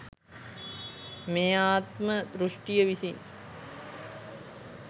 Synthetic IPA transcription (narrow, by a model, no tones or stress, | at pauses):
meːaːt̪məd̪ɾuʂʈijəʋisin